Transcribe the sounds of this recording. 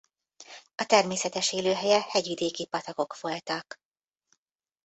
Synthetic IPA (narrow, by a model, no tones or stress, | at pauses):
ɒt̪ɛrmeːsɛt̪ɛʃeːløːɦɛjɛhɛɟʋid̪eːkipɒt̪ɒko̞kʋo̞lt̪ɒk